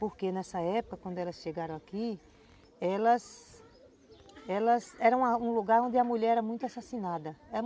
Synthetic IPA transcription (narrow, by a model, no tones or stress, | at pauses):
poɾkenɛsɐɛpʊkɐkwɐ̃nd̪ʊɛlɐsʃeɡaɾɐ̃w̃aki | ɛlɐs | ɛlɐsɛɾɐũmɐũluɡaɾõnd̪ɪɐmuʎɛɾɛɾɐmũj̃t̪ʊasasinad̪ɐɛɐ